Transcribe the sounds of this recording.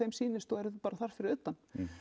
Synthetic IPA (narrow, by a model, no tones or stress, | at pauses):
ejmsiːnɪst̪θɔɛɾðʏpaːɾaθaɾ̥fɪɾɪɾʏt̪ːan